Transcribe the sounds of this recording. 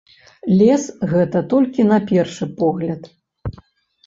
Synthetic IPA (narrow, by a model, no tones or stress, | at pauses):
lʲɛsɣɛt̪ɐt̪ɔlʲkʲinɐpʲɛrʂɨpɔɣlʲɐt̪